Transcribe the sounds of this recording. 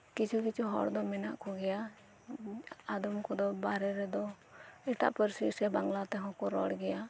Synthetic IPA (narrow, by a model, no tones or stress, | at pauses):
kit͡ʃʰukit͡ʃʰuɦɔ̰ɽd̪ɔmɛna̰ʔkɔɡɛja | ad̪ɔmkɔd̪ɔbaɾɛɾɛd̪ɔ | ɛʈa̰ʔpəɾsisɛbaŋɡlat̪ɛɦɔ̃kɔɾɔɽɡɛja